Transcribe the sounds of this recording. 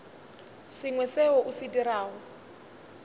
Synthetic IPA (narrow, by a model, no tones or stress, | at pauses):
sɪŋwɛsɛɦɔʔusidiraːɦɔ